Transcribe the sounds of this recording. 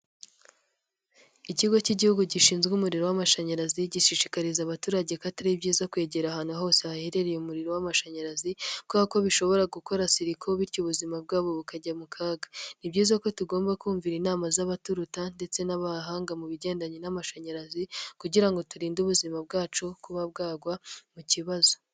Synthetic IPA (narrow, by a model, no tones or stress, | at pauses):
iciɡo̞ciɟihuɡuɟiʃiːnzɡumuɾiɾo̞wamaʃaɲaɾaziɟiʃiʃikaɾizaβatuːɾaɟekataɾibɟiːzakwe̞ːɟe̞ɾahaːn̥huɦo̞ːseaheɾe̞ɾejomuɾiɾowamaʃaɲaɾazikaako̞βiʃo̞βo̞ɾaɡuko̞ɾasiɾikʰo̞βiɾɟuβuzimab̚ɡaːβo̞βukaɟamukʰaːɡḁnibɟiːzako̞tuɡo̞ːmbakuːɱviɾinaːmazaβatuɾutande̞t͡se̞naβaɦaːŋɡamuβiɟe̞ːndaɲenamaʃaɲaɾazikuɟiɾaŋɡo̞tuɾiːnduβuzimab̚ɡaːt͡ʃukuβab̚ɡaːɡwamuciβazo̞